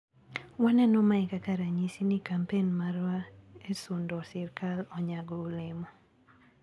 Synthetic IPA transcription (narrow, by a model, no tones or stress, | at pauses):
wanɛnɔmaɪkakaɾaɲisinikampenmaɾwaesʊndɔsɪrkalɔɲaɡɔulɪmɔ